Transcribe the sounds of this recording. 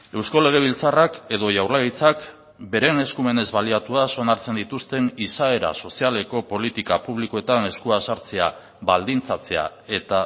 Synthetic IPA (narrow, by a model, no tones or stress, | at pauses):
e̞wsko̞le̞ɣ̞e̞β̞ilt͡sarake̞ðo̞ʝawɾlait͡sak | be̞ɾe̞ne̞skume̞ne̞zβaliat̪uaso̞naɾt͡se̞nd̪it̪ust̪e̞nisae̞ɾa̰so̞siale̞ko̞po̞lit̪ikapuβ̞liko̞e̞t̪ane̞skuasaɾt͡se̞a | βald̪int͡sat͡se̞a̰ | e̞t̪a